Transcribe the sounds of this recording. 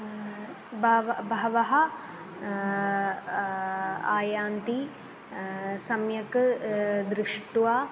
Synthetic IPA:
bɐʋbɐɦɐʋɐɦɐ | aːjaːnt̪i | sɐmjɐk | d̪ɾɪʂʈʋaː

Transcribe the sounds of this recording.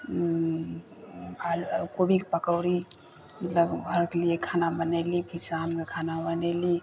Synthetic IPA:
alkobikepəkəʊɾi | mət̪ləbɡʱəɾkliekʰaːnabənelipʰisamkekʰanabəneli

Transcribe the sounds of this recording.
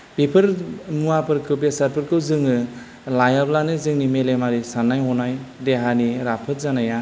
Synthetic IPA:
b̥ipʰɯɾmuapʰɯɾkʰɯwbesaɾpʰɯɾkʰɯwzɯŋɯ | lajablanɯzɯŋnimelemaɾisanːajɔnajdeɦaniɾapʰɯt̚zanaja

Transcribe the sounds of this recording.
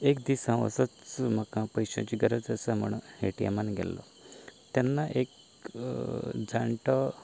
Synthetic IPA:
ekd̪isãʋə̰sət͡smakãpəjɕã̰t͡ɕiɡəɾət͡səsam̤ə̰ɳheʈia̰manɡʱɛ̰lːɔ̰ | t̪janːaʔek | d͡zaɳʈə

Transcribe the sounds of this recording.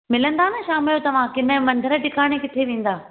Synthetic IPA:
mɪlə̃nd̪aːnɐʃaːmɪljõt̪ɐʋ̤ãkɪnə̆mɐ̃nd̪ʱəɾə̆ɖɪkʰaːɽ̃ekɪt̪ʰeʋẽːn̆d̪aː

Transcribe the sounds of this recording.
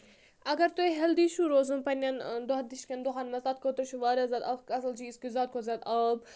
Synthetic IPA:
ɐɡɐɾt̪uɦɐld̪iʃuɾoːzunpɐnʲɐnd̪oɦɐd̪iʃkʲɐnd̪uɦaːnmɐzaːt̪̚kot̪ɐɾt͡ʃʰuʋaːɾʲazɐːd̪ɐkɐsɐlt͡ʃʰiːskizaːd̪̚kʰozʲɐd̪ɐb̚

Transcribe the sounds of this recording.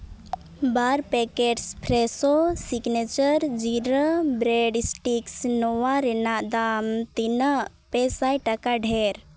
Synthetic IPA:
baɾpekeʈspʰɾesosiɡnet͡ʃəɾd͡ʒiɾəbɾeɖisʈiksnɔwaɾinad̪amt̪inə | pesajʈɐkaɖʱeɾ

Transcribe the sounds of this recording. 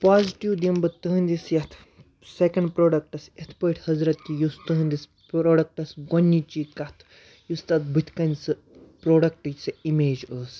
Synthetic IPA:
paːziʈiwd̪imbɐt̪ɨɦnʲd̪isjɐt̪ʰ | sekɐɳɖpɾoːɖɐk̚ʈɐsɐt̪ʰpəʈʰʲhɐzɾɐt̪̚kijust̪ɨɦɨnʲd̪is | pɾoːɖɐk̚ʈɐsɡonːit͡ʃikɐt̪ʰ | just̪ɐt̪̚bʱɨt̪ʰkɐnʲsɨ | pɾoːɖɐk̚ʈɨsɐimeːd͡ʒəːs

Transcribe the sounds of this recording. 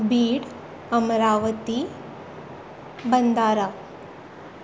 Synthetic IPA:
biːɽ | əmɾaʋət̪i | bənd̪aɾa

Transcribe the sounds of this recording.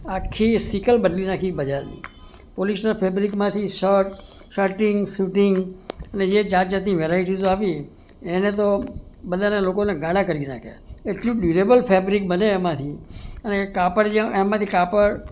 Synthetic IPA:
akʰːisikəlbəɖlinakʰibəd͡ʒaɾnḭ | polisnəɾpʰɛbɾikmãt̪ʰiʃəʈ | ʃəɾʈɪŋɡsuʈɪŋɡəned͡ʒed͡ʒãt̪d͡ʒat̪niʋeɾaiʈizoaʋi | enet̪obəd̪ʱanelokoneɡãɽ̃ãkəɾina̰kʰḛeʈlũɖuɾebəlpʰɛbɾik̚bəneːmãt̪ʰiənekapəɾd͡ʒeemãt̪ʰikapəɾ

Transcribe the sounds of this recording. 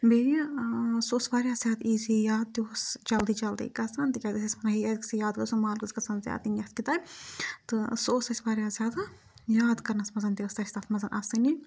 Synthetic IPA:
bi | soːsʋaːɾʲjaːzʲjaːd̪iːzijaːd̪̚t̪ʲoːsd͡ʒɐld̪iːd͡ʒɐld̪ḭːkɐsɐnt̪ikʲɐd̪isʲɐsʲmɐnɐɦiɐd̪ksɐjaːd̪ɡɐsumaːlɡɨzkɐsɐnzʲja̰ːd̪injɐt̪kit̪aːt̪ɨsoːsɐsʲʋaːɾjaːzʲjaːd̪a | jaːd̪kɐɾnɐsmɐzɐnd̪iʋɐst̪ɐst̪aːt̪ʰmɐzɐnʔaːsɨni

